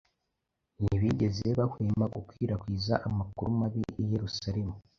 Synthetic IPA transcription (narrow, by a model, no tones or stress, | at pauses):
niβiɟe̞ze̞βahwe̞ːmakukwiːɾakwiːzaʔamakuɾumaβiijeɾusaɾemu